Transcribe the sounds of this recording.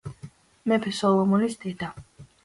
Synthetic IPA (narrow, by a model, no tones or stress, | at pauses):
mɛpʰɛsɔlˠɔmɔnisd̪ɛd̪a